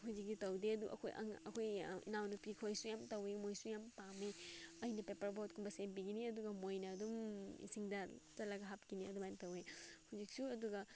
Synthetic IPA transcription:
ɦud͡ʒik̚ːitɐwdeɐdṵʔɐ̰kʰojʔɐ̰ŋɐ̰kʰojḭnawnupikʰojsujamtɐwemojsujampameɐjnɐpepɐɾbot̚kʰumbɐsenbiɡiniɐduɡɐmojnɐːdumḭsiŋdɐt͡ʃɐlaɡɐɦap̚kiniɐdumajntɐwehuzik̚suɐduɡɐ

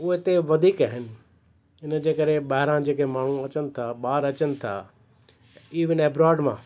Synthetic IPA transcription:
ʊɦet̪eʋɐd̪ʱiːkaːɦɪnɪ̆ | ɪnəd͡ʑeːkɐɾeɓaːɦɪɾãd͡ʑeːkemaːɳ̤ũɐt͡ɕənɪ̆t̪ʰaɓaːɾɐt͡ɕənɪ̆t̪ʰa̰ː | iːʋɪnɛːbɾaːɾɖmã̰ː

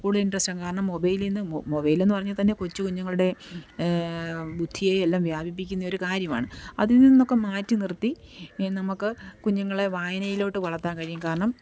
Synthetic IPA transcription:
kuːɽuðinɖrɐstɐmkaːɾɐɳɐmːo̞bɐjilinːɨmobɐjile̞nːɨpɐrɐɲːut̪ɐnːe̞kut͡ɕːukuɲːɐŋːɐɭuɽe̞ | bud̪ʱːijeelːaːmʋjaːbʱip̬ːikʲːunːɐo̞ɾukaːɾjɐma̰ːɳɨɐ̰ðinnːinɐnːo̞kːemaːtːɨnirt̪ːinɐmukːɨkuɲːɐŋːɐɭeʋaːjɐnɐjilo̞ːʈːɨʋɐɭɐt̪ːaːnkɐːɾjɐmkaːɾɐɳɐm

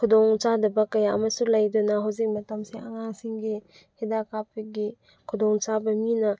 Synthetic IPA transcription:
kʰudɔŋt͡ʃadɐbɐkɐjaʔɐ̰mɐsulɐjdunɐɦawzik̚mɐtɐmseɐŋaŋsiŋɡi | hedakapʰiɡi | kʰudɔŋt͡ʃabɐminɐ

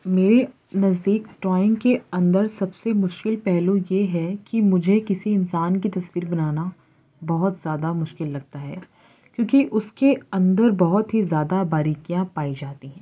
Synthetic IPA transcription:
meːɾe | nɐzd̪iːkʈɾɔːɪ̃ŋɡkeɐ̃nd̪əɾsɐbsemʊʃkɪlpɛɦlũjeɦɛkimʊd͡ʒʱekɪsiɪnsaːnkit̪ɐswiːɾbɐnaːna | bɐɦɔt̪zjaːd̪amʊʃkɪlːɐɡ̚t̪aɦɛː | kjõːkiʔʊskeɐ̃nd̪əɾbɐɦʊt̪ɦizjaːd̪abaːɾiːkijãpaːid͡ʒaːt̪iɦɛ̃ː

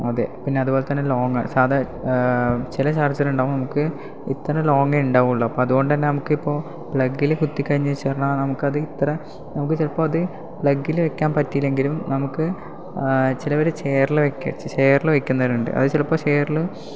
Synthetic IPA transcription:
ɐðḛpinːe̞ɐðuboːle̞t̪ɐnːe̞lo̞ːŋɐsaːd̪ɐ | t͡ɕilɐt͡ɕaːrt͡ɕːɐluɳɖaːʋumnɐmukːɨ | it̪ːɐɾɐlo̞ːŋɡɐuɳɖaːʋuɭːɐɐpːoːɐðuɣo̞ɳɖɨt̪ɐnːe̞nɐmukːɨipːo̞ː | pɭɐɡːilekut̪ːikʲːɐɾiɲːɐt͡ɕːeːrɳaːnɐmukːɨɐðɨit̪ːɐɾɐ | nɐmukːɨt͡ɕilɐpːoːɐðɨ | pɭɐɡːilʋekʲːaːnpɐtːijile̞ŋɡilumnɐmukːɨ | t͡ɕilɐʋɐɾut͡ɕe̞jɐrilɨʋekʲːɐ̰t͡ɕe̞ːɐrilɨʋekʲːunːɐuɳɖɨ̰ʔɐ̰ðɨt͡ɕilɐpːoːt͡ɕe̞ːrlɨ

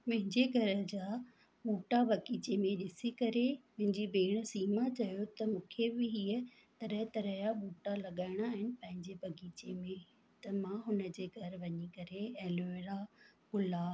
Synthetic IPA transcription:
mɐ̃ɦɪ̃ɲd͡ʑeɡʱɐɾəd͡ʑaː | ɓuːʈabɐɡiːt͡ɕemẽɗɪsikɐɾemʊ̃ɦɪ̃ɲd͡ʑibeːɽ̃siːmat͡ɕɐjot̪ɐmũːkʰebɪɦiə | t̪ɐɾəɦt̪ɐɾəjaɓuːʈalɐɠaːɪɽ̃aːɦɪnɪ̆pɐ̃ɦɪ̃ɲd͡ʑebɐɡiːt͡ɕemẽ | t̪ɐmãɦʊnə̆d͡ʑeːɡʱɐɾʋɐɲikɐɾeɛ̃ːluɪɽakʊlaːb

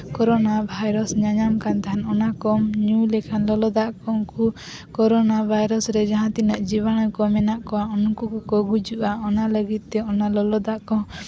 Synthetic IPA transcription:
kɔɾɔnabʱajɾɔsɲaɲamkant̪aɦanɔnakɔmɲulɛkʰanlɔlɔd̪aʔkɔŋku | kɔɾɔnabʱajɾɔsɾɛd͡ʒaɦãt̪inaʔd͡ʒibañɔkɔmɛnaʔkɔaɔnɔkukɔkɔɡud͡ʒuʔaɔnaləɡit̪̚t̪ɛɔnalɔlɔd̪aʔkɔ̃

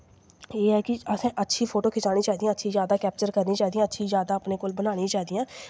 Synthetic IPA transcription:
eːɦɛːkɪəsɛ̃ːʔətːʃʰiːpʰoːʈoːkʰɪt͡ʃaːñiːt͡ʃaːɦid̪ijãːətːʃʰiːzjaːd̪aːkɛːp̚t͡ʃəɾkəɾnĩːt͡ʃaːid̪iãːətːʃʰiːzjaːd̪aːəpneːkoːlbənaːñĩːt͡ʃaːɦid̪iːãː

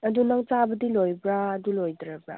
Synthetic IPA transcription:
ɐdunaŋt͡ʃabɐdilojbɾaːdulojdɾabɾa̰

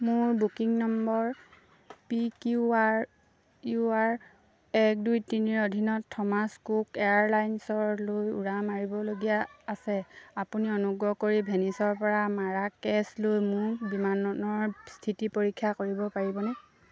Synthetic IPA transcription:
mʊɹbukiŋnɔmbɔɹ | pikuaɹ | juaɹ | ɛk̚dujtiniɹodʱinɔtʰːɔmaskukeaɹlajnsɔɹlojṵɹamaɹibɔloɡijaːsɛapuniɔnuɡɹɔkoɹibʱenisɔɹpɔɹamaɹakɛslojmʊɹbimannɔɹstʰitipoɹikʰːakoɹibɔpaɹibɔnɛ

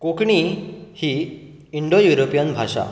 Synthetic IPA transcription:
kokɳihiː | iɳɖojuɾopijənbʱaʂa̰

